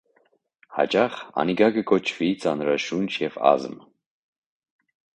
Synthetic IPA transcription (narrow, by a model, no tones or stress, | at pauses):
hɑ̰t͡ʃɑχɑ̰niɡɑɡəkɔt͡ʃʰvit͡sɑnɾɑʃunt͡ʃʰjɛvɑ̰zm